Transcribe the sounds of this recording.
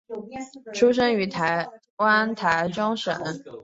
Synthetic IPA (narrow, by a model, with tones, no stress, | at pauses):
ʈ͡ʂʰu˥ʂ̬ə˥ŋy˧˥t̪ʰa˧˥ɪ | wa˥nt̪ʰa˧˥ɪʈ͡ʂɑ˥ŋʂə̰˨˩˦